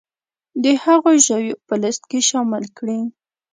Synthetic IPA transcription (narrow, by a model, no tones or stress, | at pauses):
d̪əhaɣoʒawjopələst̪̚keʃɑmɪlkɽi